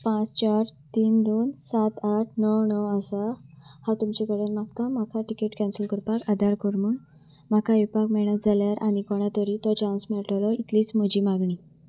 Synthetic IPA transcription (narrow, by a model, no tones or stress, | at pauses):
pãt͡st͡ɕaɾt̪iːnd̪onsat̪aʈʰnəwnəwasahat̪umt͡ɕekəɾənmakamakʰaʈikeʈkɛ̃nsəlkəɾpakad̪ʱaɾkəɾmun | makʰaipakmɛɽ̃ət̪̚d͡zʱaljaɾʔaɽ̃ikɔɽ̃jat̪əɾit̪ɔt͡ɕãnsmɛɭʈlɔit̪liːt͡sm̤əd͡ʑiːmaɡɳiː